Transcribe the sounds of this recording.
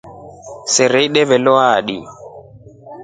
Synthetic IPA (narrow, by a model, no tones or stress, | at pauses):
sɛɾɛiɗɛvɛlɔaɗi